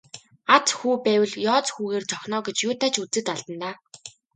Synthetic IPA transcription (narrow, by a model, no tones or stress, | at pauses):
at͡sxuːpæːwə̆ɮjɔːt͡sxuːɣeːrt͡sɔxʲnɔːɡet͡ɕjʊːt̪ʰaːt͡ɕut͡sɘ̆t̪aɮt̪ə̆nt̪aː